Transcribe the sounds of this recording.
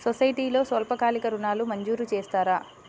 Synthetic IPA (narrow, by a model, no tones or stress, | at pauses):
sosɐjʈiːlo̞ːsʋɐlpɐkaːlikɐɾunaːlumɐɲd͡ʒuːɾut͡ʃeːst̪aːɾaː